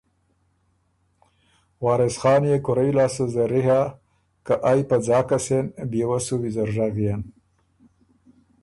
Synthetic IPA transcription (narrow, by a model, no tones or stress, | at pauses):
wɑːɾesxɑːnjekʊɾajlɑːsuzaɾiɦa | kaʔajpad͡zɑːkasenbjewasuwizɐɾʐaɣjen